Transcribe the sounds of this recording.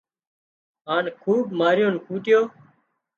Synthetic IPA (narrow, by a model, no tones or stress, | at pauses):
ɦaːnkʰuːbmaːɾjõːnkʰuːʈɪjoː